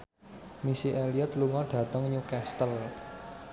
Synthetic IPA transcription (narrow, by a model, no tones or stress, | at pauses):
misiʔeliət̪luŋɔɖ̥ä̤t̪əŋɲukɛst̪əl